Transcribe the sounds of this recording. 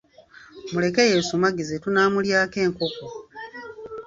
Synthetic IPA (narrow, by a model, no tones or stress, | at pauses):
mule̞kejesumaɡizetunaːmuljaːke̞ːŋko̞ko